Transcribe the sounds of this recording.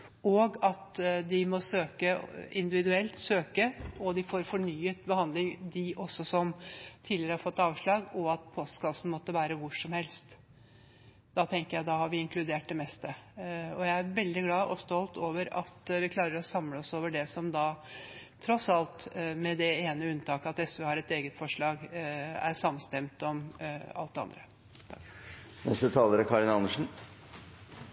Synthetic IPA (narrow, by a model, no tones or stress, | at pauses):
ɔɡɑt̪d̪ɪmɔsøːkəɪ̰nd̪ɪʋɪd̪ʉɛlt̪søːkəɔd̪ɪfoːɾfɔɳyːət̪bəhɑnd̪lɪŋd̪ɪʔɔsːɔsɔmt̪ʰiːlɪəɾəhɑɾfɔt̪ːɑːʋʂɭɑːɡɔɑt̪̚pʰoːst̪ə̥kɑlsn̩mɔt̪ːəʋæːɾəʋʊʂɔmhɛlst̪ | d̪̥ɑt̪ʰɛŋkəjæɪd̪ɑhɑɾʋɪɪŋklʉd̪eːʈ̚d̪ɛmɛst̪əɔjæɪæɾʋɛld̪ɪɡlɑːʔɔst̪ɔlt̪oːʋəɾɑ̰t̪ʋɪkʰlɑːɾəɾɔsɑmləɔsoːʋəɖɛsɔmd̪ɑ | t̪ʰɾɔsɑlt̪mɛd̪ɛeːnəʉnːt̪ʰɑːkəɑt̪ɛsʋøhɑɾɛt̪eːɡət̪fɔʂɭɑːɡæ̰ɾʂɑmːənst̪ɛmt̪ɔmɑ̰lt̪d̪ɛɑ̰nd̪ɾə | nɛ̰st̪ət̪ʰɑːləɾəkʰɑɭɪnɑnəʂn̩